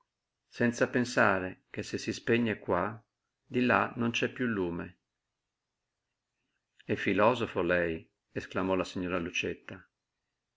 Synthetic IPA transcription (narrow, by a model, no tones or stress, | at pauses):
sɛnt̪sapensaːɾekesːesːispeɲːekwa | d̪ilanont͡ʃɛpːjuluːme | ɛfːilɔːzofolɛj | esklamɔlasiɲːoːɾalut͡ʃet̪ːa